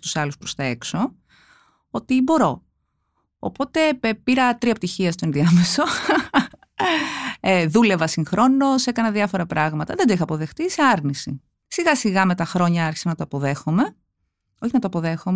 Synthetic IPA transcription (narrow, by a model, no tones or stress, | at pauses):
t̪u̥sɐluspɾost̪ɐe̞kso̞ | o̞t̪ibo̞ɾo̞ | o̰po̞t̪e̞piɾɐt̪ɾiɐp̚t̪içiɐst̪oenðiɐme̞so̞ | eðule̞vɐsiŋxɾo̞no̞se̞kɐnɐðiɐfo̞ɾɐpɾʔɐɣmɐt̪ɐðend̪oixɐːpo̞ðe̞xt̪iseɐɾnisi | siɣɐsiɣɐme̞t̪ɐxɾo̞ɲɐɐɾçi̥sɐnɐt̪oɐpoðe̞xome̞ | o̞çinɐt̪oɐpoðe̞xom